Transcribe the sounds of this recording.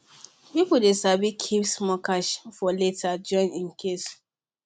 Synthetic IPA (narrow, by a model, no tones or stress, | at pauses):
pipudesabikʰipsmɔkaʃfɔletʰad͡ʒɔ̃ɪ̃nĩnkʰes